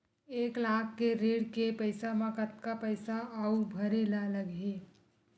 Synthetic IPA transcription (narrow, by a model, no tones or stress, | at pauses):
eːklakʰːeɾeɽkepəɪsamãkət̪kapəɪsaaubʱəɾelaləɡe